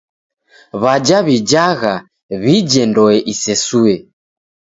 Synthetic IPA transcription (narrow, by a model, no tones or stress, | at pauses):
βad͡ʒaβid͡ʒaɣa | βid͡ʒɛndɔɛʔisɛsuɛ